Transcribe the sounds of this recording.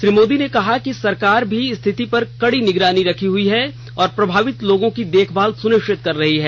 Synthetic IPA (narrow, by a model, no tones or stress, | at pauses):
ʃɾiːmoːd̪inekɐɦakisɐɾkaːɾbʱiɪst̪ʰɪt̪ipɐɾkɐɽinɪɡɾaːniɾɐkʰiɦʊiɦɛ | ɔːɾpɾɐbʱaːʋɪt̪loːɡõkid̪eːkʰbaːlsʊnɪkʃɪt̪̚kɐɾːɐɦiɦɛː